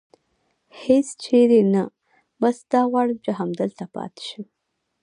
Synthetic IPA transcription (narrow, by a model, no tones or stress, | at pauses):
hest͡ʃʰeɾena | basd̪̥ɑwɑɽəmt͡ʃəɦamd̪əlt̪apɑ̰t̪ɪ̥ʃi